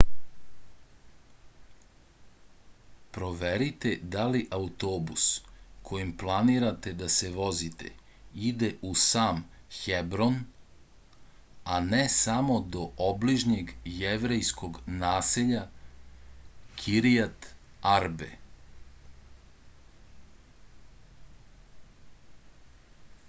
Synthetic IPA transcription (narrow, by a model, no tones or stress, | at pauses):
pɾo̞ʋeɾit̪e̞d̪aliʔaut̪oːbuskʰo̞jimplˠaniɾat̪e̞d̪ase̞ʋo̞zit̪ḛ | id̪eʔusaːmxebɾon | anesamo̞d̪o̞ʔobliʒɲeɡjeʋɾejsko̞ɡnaːseʎa | kʰiɾiat̪aɾbḛ